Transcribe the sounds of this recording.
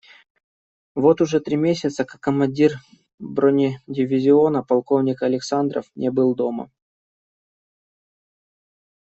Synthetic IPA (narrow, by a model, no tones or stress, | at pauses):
vo̞t̪ʊʐɛt̪ɾʲimʲesʲɪt̪səkḁkːəmɐnʲdʲir | bɾonʲɪdʲɪvʲɪzʲɪo̞nəpɐlˠkovnʲɪkɐlʲɪksand̪ɾə̰fnʲebɨlˠd̪o̞mə̰